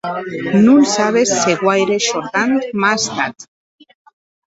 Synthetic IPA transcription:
nunsaβ̞esːeɣwajɾeʃoɾɣant̪mast̪at̪

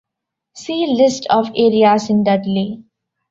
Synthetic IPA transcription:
siːlɪsʈʰɔːʋeːɾiaːsɪ̃nɖəɖli

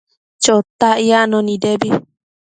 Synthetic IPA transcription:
t͡ʃot̪aʔianõnĩdebi

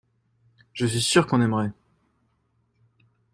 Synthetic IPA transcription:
ʒ̥əsɥisyʁkɔ̃nɛmʁɛ

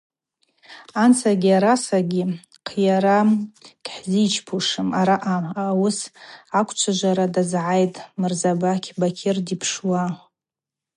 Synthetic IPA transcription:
ant͡sʰaɡʲiaɾasaɡʲi | qʰjaɾamkʼħzit͡ʃʰpʰuʂɨmaɾaʔaːwʊsakʷʰʼt͡ʃʷʰaʒʷaɾadazʕajtʼmɨrzabakʲʰbakʲʰɪrdipʰʂwa

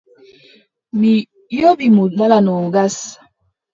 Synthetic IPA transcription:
mi | jobimunalanuɡas

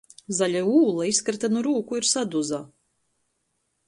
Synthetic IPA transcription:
zalʲauːlˠaiskɾt̪anuɾuːkuiɾsad̪uzaː

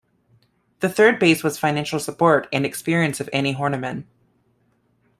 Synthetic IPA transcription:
ðɨθɜ˞d̚beɪswʌz̥fãɪ̃næ̃nʃl̩ˠsəpʰɔɹɾɨ̃nɨkspɪɹiɨ̃nsʌvɛniɦɔɹnəmɨ̃n

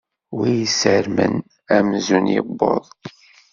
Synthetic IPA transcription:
wijəsəɾmə̰n | æmzunjɪ̰bːoðˤ

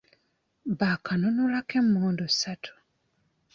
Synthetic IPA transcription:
bakʰanonulakemːuːndo̥satʰu̥

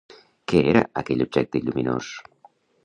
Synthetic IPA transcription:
keɛɾa̰akɛʎub̚d͡ʒɛk̚t̪eʎumino̰s

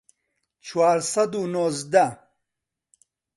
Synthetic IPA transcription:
t͡ʃwaːɾsɐd̪unozd̪a

